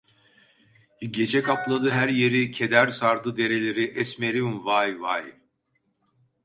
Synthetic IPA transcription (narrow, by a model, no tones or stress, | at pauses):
ɟe̞d͡ʒɛkʰaplˠad̪ɯɦæɾje̞ɾicʰe̞d̪æɾsaɾd̪ɯd̪e̞ɾe̞lʲe̞ɾiʔɛsme̞ɾimvajvaj